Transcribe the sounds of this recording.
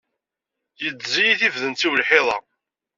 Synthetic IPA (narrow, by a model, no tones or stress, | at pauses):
jət͡sːzijiθivðənt̪iwlħeðˤɑ̰